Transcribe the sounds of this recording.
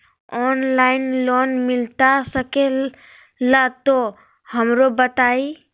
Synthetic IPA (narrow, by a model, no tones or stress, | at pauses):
ɔːnlaːɪnloːnmɪlt̪asəke | lat̪o | həmɾobət̪aːi